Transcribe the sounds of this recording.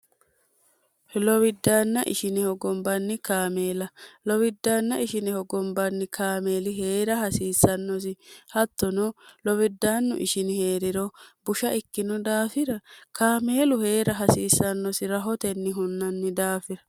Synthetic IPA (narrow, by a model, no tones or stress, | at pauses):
hlɔwɪd̪ːaːnːɐʔɪ̰ʃɪnɛhɔɡɔmbɐnːɪkaːmeːlɐlɔwɪd̪ːaːnːɐʔɪʃɪnɛhɔɡɔmbɐnːɪkʰaːme̞ːlɪɦeːɾɐhɐsiːsːɐnːɔs̬ɪhɐt̪ːɔnɔlɔwɪd̪ːaːnːʊ̰ʔɪʃɪnɪhe̞ːɾɪɾɔbʊʃɐʔɪkːɪnɔd̪aːfɪɾɐkaːme̞ːlʊhe̞ːɾɐɦɐsiːsːɐnːɔsɪɾɐɦɔt̪ɛnːɪɦʊnːɐnːɪd̪aːfɪɾɐ